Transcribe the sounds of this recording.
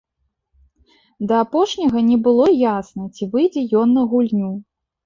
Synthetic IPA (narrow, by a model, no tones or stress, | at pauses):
d̪ɐapɔʂnʲɐɣɐnʲɛbɨlˠɔjasnɐt͡sʲivɨjd͡zʲɛjɔnːɐɣulʲnʲu